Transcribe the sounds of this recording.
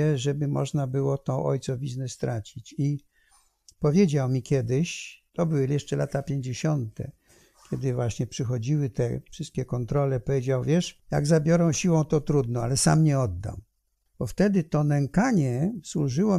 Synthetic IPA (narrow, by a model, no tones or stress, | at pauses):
ɛʐɛbɘmɔ̰ʐnabɘwɔt̪ɔʔɔ̰jt̪sɔvʲiznɛst̪ɾat͡ɕit͡ɕi | pɔvʲjed͡ʑawmʲikʲjɛd̪ɪɕt̪ɔbɘwɘjɛʂt͡ʂɛlat̪apʲjeɲd͡ʑeɕɔnt̪ɛ̰ | kʲjɛd̪ɘvwaɕɲɛpʂɘxɔd͡ʑiwɘt̪ɛfʂɘst̪̚kʲɛkɔnt̪ɾɔlɛpɔvʲjed͡ʑawvʲjɛʂja̰ɡzabʲjɔɾɔ̃w̃ɕiwɔ̃w̃t̪ɔt̪ɾud̪nɔ̃a̰lɛsa̰mɲɛɔd̪ːa̰m | b̥ɔft̪ɛd̪ɘt̪ɔnɛŋkaɲɛswuʐɘwɔ